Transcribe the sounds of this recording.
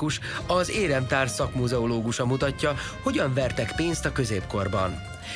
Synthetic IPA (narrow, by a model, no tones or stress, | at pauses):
uʃ | ɒzeːɾɛmt̪aːrsɒkmuzɛoloːɡuʃɒmut̪ɒcːɒ | ho̞ɟɒɱvɛrt̪ɛkpeːnst̪ɒkø̞zeːpko̞rbɒ̰n